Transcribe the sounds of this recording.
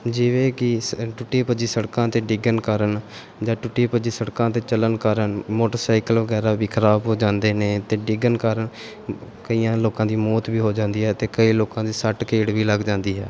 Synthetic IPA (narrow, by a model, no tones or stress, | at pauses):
d͡ʒɪʋeːkɪʈʊʈːeːpəd͡ʒiːsəɽkãːt̪eːɖɪɡənkəɾən | d͡ʒãːʈʊʈːiːpəd͡ʒiːsəɽkãːt̪eːt͡ʃələnkəɾənmoːʈəɾsaːɪkəlʋəɡɛːɾaːbiːkʰəɾaːbɦoːd͡ʒãːnd̪eːneːt̪eːɖɪɡənkaːɾən | kəiːãːloːkãːd̪iːmɔːt̪biːɦoːd͡ʒãːnd̪iːɦɛːt̪eːkəiːloːkãːd̪iːsəʈkeːɽʋiːləɡd͡ʒãːnd̪iːɦɛː